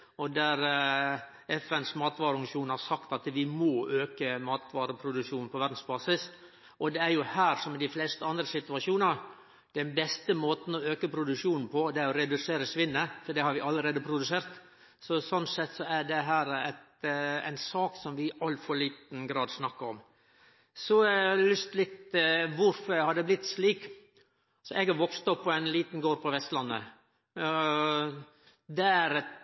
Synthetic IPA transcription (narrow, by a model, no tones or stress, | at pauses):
ɔd̪æɾ | ɛfɛnsmɑːt̪ʋɑːɾəʉŋʂuːnhɑɾsɑkt̪ɑt̪ʋɪmoːʔøːkəmɑːt̪ʋɑːɾəpʰɾʊd̪ʉʂuːnnpʰɔʋæɾd̪n̩sbɑːsɪs | ʔɔd̪ɛæɾjʊhæːɾsɔmɛd̪ɪflɛst̪əɑnd̪ɾəsɪt̪ʉɑʂuːnəɾ | d̪̥ɛnbɛst̪əmoːt̪n̩ɔøːkəpʰɾʊd̪ʉʂuːnn̩pʰɔd̪ɛæɾɔɾɛd̪ʉseːɾəsʋɪnːəfɔɖɛhɑɾʋɪʔɑlːəɾeːd̪əpʰɾʊd̪ʉseːɾt̪ | sɔsɔnsɛt̪ːsɔæɖɛɦæːɾæt̪æ̰ɪnsɑːksɔmʋɪɑlfɔɾɭiːt̪n̩ɡɾɑːd̪snɑkːəɾɔm | sɔɛlʏst̪lɪt̪ʋʊɾfɔɾɛɡhɑd̪ɛblɪt̪ːsliːk | sɔʔɛɡɑɾʋɔkst̪ɔpːɔæɪnliːt̪n̩ɡoːɾpʰɔʋɛst̪lɑnːə̰ | d̪ɛæɾɛ